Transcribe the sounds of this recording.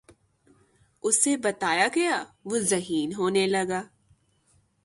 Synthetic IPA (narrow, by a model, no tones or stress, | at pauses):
ʊsebɐt̪aːjaɡɐjaːʋozɐɦiːnɦoːnelɐɡaː